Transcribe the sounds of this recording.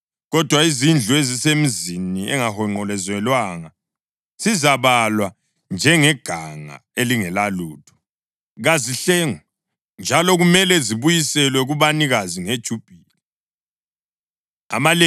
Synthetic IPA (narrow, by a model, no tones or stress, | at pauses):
ɣɔd̥ʱwaizind͡ɮʱuezisemiziniɛ̰ŋahɔŋ͡ǃɔlɛzwɛlwaŋa | z̥izaβalwa | nd͡ʒʱɛŋɛɡ̥ʱaŋa̰eliŋɛlaluːtʰɔ̥ | ɣaziɬɛŋɔ | nd͡ʒʱalɔɣumɛlɛziβujisɛlwɛɣuβaniɣaziŋed̥ʒ̥ʱub̥ʱiːli | a̰male